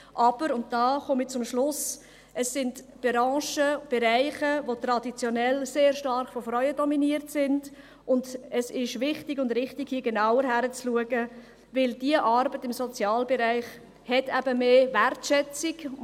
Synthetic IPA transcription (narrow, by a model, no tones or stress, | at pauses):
ʔɑb̥əɾʊnt̚d̥ɑːχɔmit͡sʊmʃlʊs | əsːɪndb̥ɾɑ̃ːʃəb̥ɛɾæɪχəʋotɾɑdit͡sjɔnɛlseːɾʃtɑrχfɔfɾœʏədɔminiəɾtsɪnd | ʔʊndəsɪʃʋɪχtɪɡʊndɾɪχtɪɡ̥hiəɡɛnaʊəɾɦæɾət͡sluəɡə | vɪldiəʔɑɾbətɪmsɔt͡sjɑːlbɛɾæɪχ | hɛtæb̥əmeːværtʃɛt͡siɡ